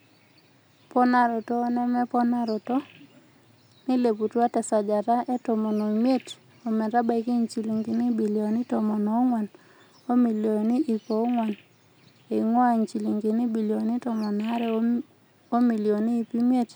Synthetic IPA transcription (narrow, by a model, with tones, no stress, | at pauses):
pɔ˦na˦ɾo˨toː˦nɛ˦mɛ˦pɔ˦na˦ɾo˨to˦ | ni˦le˨pu˨twa˦tɛ˨sa˨d͡ʒa˨ɾa˦ʔe˦tɔ˨mɔ˨no˨i˨mje˦t | o˨mɛ˨ɾa˦ba˨i˨ki˦ɲt͡ʃi˨li˨ŋɡi˨ni˦bi˨ljo˨ni˦tɔ˨mɔ˨nɔ˨˦ŋwa˨n | o˦mi˨ljo˨ni˦ʔi˨po˨˦ŋwa˨n | e˨ŋwɔ˦a˨ɲt͡ʃi˨li˨ŋɡi˨ni˦bi˨ljo˨ni˦tɔ˨mɔ˨n˨a˦ɾɛ˦ | o˦mi˨ljo˨niː˦˨pi˦mi˦e˦t